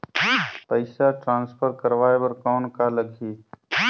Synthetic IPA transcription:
pəɪsaʈɾãːnspʰəɾkəɾʋaːebəɾkɔːnkaləɡʱiː

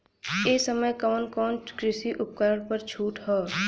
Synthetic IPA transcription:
eːsəməjkɔːnkɔːnkɾɪsiʔʊp̚kəɾəɽ̃pəɾt͡ʃʰuːʈɦɛː

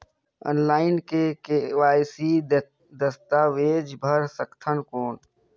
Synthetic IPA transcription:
ə̰ːnlaːɪnkekeʋaːjsi | d̪əst̪aːʋeːd͡ʒbʱəɾsəkt̪ʰənkoːn

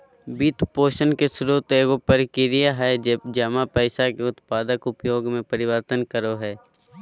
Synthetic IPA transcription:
biːt̪poːʃənkesʊɾuːt̪eːɡopəɾkɪɾɪjaɦɛd͡ʒeːbd͡ʒɐmapɛɪʃakeʊt̪paːd̪əkʊpjoːɡmẽpəɾɪʋəɾt̪ənkəɾoɦɛː

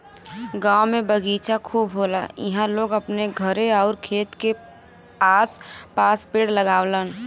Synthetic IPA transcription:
ɡaːwmẽbəɡiːt͡ʃakʰuːbɦoːlaḭɦãloːɡəpneɡʱəɾeɔːʊɾkʰeːt̪ke | aːspaːspeːɽləɡaːwlən

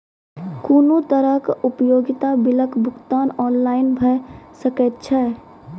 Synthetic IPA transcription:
kuːnot̪əɾəkʊpjoːɡɪt̪abɪləkbʱʊkt̪aːnɔːnlaːɪnbʱəsəkɛt̪t͡ʃʰɛ

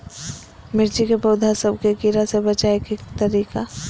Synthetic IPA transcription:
mɪɾd͡ʒikepoːd̪ʱasəb̚ʱkekiɾasebɐt͡ʃaekekt̪əɾiːka

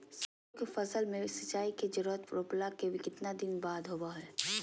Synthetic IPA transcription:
sɐ | kefɐzəlmẽsɐt͡ʃaːiked͡ʒəɾuɾət̪pɾoːplakebʱikɪt̪nad̪ɪnbaːd̪ɦoːbaɦɛː

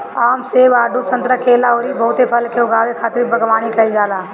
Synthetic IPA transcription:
aːmseʋaːɖʱut͡ʃə̃nt̪ɾəkʰelaoːɾibəɦʊt̪epʰəlkeʊɡaːʋekʰaːt̪ɪɾibəɡʋaːnikəid͡ʒaːlaː

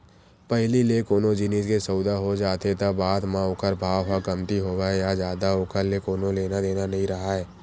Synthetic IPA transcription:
pɛɦlilekoːnõd͡ʒɪneːskesəʊd̪aɦod͡ʒaːt̪et̪abaːd̪mãoːkəɾbʱaːʋakəmt̪iɦoːʋajad͡ʒjaːd̪aoːkəɾlekoːnõleːnad̪eːnanɐɦĩɾɐɦaɦɛː

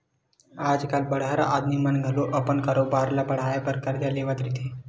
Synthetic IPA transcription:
ad͡zkalbəɽ̤aɾa̰ʔad̪nimanɡʱəloʔəpəɳkaɾobaɾlapəɽ̤ajpəɾkaɾd̪jaleʋat̪ɾit̪e

